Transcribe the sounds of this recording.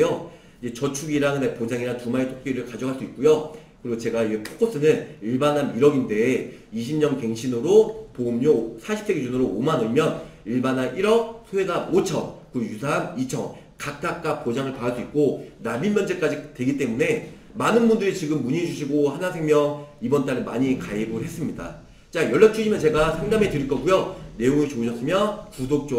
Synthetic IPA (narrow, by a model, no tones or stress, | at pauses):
jo | id͡ʑe̞t͡ɕʌt͡ɕʰuɡiɾaŋɯnepod͡ʑaŋiɾantumaetʰok̚p͈eɾɯɭkad͡ʑʌkɦaɭs͈uit̚k͈ujokɯɾiɡot͡ɕe̞ɡaiɡepʰo̥k͈ʰos͈ɯnɯniɭbanɦaniɾʌɡinde̞ | iɕ̬ʰimɲʌnke̞ŋɕʰinɯɾopomɲosʰaɕʰip̚s͈eɡed͡ʑunɯɾoːmanɯɭmjʌniɭbanɦanʔiɾʌk̚sʰuwe̞sʰamot͡ɕʰʌnkɯjusʰanit͡ɕʰʌŋ | kak̚k͈ak̚k͈ak̚p͈od͡ʑaŋɯɭpaas͈uik̚k͈onaminmjʌnd͡ʑek͈ad͡ʑitwe̞ɡit͈e̞mune̞ | manɯnbundɯɾit͡ɕiɡɯmːuɲid͡ʑuɕʰiɡohanasʰeŋmjʌŋibʌnt͈aɾɯmaɲikaebɯɭhe̞s͈ɯmɲida̰ | t͡ɕ͈ajʌɭːak̚t͡ɕʰuɕʰimjʌnt͡ɕe̞ɡasʰaŋdame̞tɯɾiɭk͈ʌɡujone̞uŋet͡ɕoɕʰʌs͈ɯmjʌkusʰok̚t͡ɕ͈o